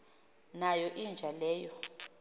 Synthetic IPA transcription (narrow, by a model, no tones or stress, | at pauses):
najɔʔind͡ʒʱalɛːjɔ